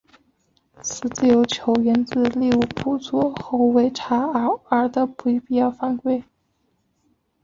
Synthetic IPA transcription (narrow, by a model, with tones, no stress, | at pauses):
t͡sʰɹ̩˨˩t͡sɹ̩˥˩jo˧˥ʊt͡ɕʰjo˧˥ʊɥɛ˧˥nt͡sɹ̩˥˧li˥˧u˥˩pʰu˥t͡sɔ˥xo˧˥ʊwe˧˥ɪʈ͡ʂʰa˧˥ə˧˥ə˞˧˥d̪ə˧pu˧˥˧pi˥˧jɑ˥˧ʊfa˥˧nkwe˥˩ɪ